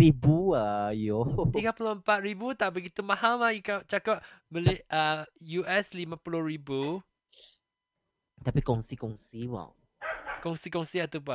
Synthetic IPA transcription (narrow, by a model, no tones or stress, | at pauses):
ibuajotiŋapuloəmpat̪̚ɹibut̪aʔbəɡit̪umãhallajikaʔ̚t͡ʃakaʔ̚məlɪʔajuʔɛslimãpulohɹibu | t̪apikɔ̃ŋsikɔ̃ŋsiwa̰w | kɔ̃ŋsikɔ̃ŋsiat̪upa